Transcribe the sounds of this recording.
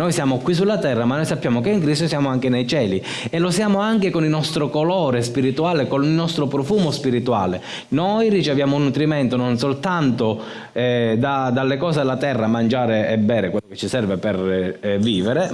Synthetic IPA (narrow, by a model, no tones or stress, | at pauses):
nojsjaːmokwis̬ulːat̪ɛrːamanojsapːjaːmokeiŋkɾist̪osjaːmoaŋk̟enejt͡ʃɛːli | elosjaːmoaŋk̟ekonilnɔst̪ɾokolɔːɾespiɾit̪uaːlekonilnɔst̪ɾopɾofuːmospiɾit̪ua̰ːle | nojrit͡ʃevjaːmounːut̪ɾimɛnt̪ononsolt̪ant̪o | ɛd̪ad̪alːekɔːselːat̪ɛrːamand͡ʒaːɾeɛbːɛːɾekwelːoket͡ʃːisɛrveperviːveɾe